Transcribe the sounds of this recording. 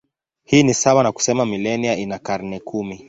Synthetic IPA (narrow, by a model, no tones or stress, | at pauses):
hiːnisawanaku̥sɛmamilɛniainakaɾnɛkʰumi